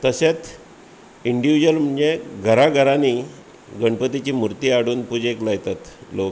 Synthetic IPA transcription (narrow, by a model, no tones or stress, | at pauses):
t̪əɕet͡s | iɳɖiʋid͡ʑəlməeɡʱəɾaɡʱəɾani | ɡəɳpət̪it͡ɕiːmuɾt̪iːaɽuːnpud͡ʑeklajt̪at̪lok